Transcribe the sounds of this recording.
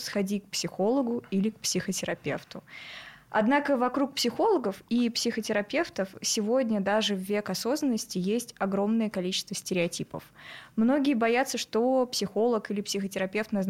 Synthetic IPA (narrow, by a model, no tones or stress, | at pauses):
sxɐdʲik̚psʲɪxo̞lˠəɡʊilʲɪk̚psʲɪxətʲɪɾɐpʲe̞̰ft̪ʊ | ɐ̰d̪nakəvɐkɾuk̚psʲɪxo̞lˠəɡəfipsʲɪxətʲɪɾɐpʲe̞ft̪əfsʲɪvo̞dʲnʲəd̪aʐɨvːʲe̞kɐso̞znənːəsʲtʲɪjesʲtʲɐɡɾo̞mnəjəkɐlʲit͡ɕɪst̪vəsʲtʲɪɾʲɪɐtʲipə̰fmno̞ɡʲɪjəbɐjat̪səʂt̪o̞psʲɪxo̞lˠəkilʲɪpsʲɪxətʲɪɾɐpʲe̞ft̪nɐzn